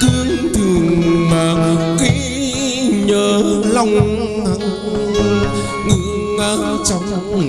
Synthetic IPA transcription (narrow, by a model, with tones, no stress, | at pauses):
t̪i˧ənt̪ʰɨ˨˩əŋmaː˨˩˦ki˧˦ | ɲəː˨˩la˧˩wŋ͡m | ŋɨ˧˩ | kaː˧˦t͡ɕa˧˩wŋ͡m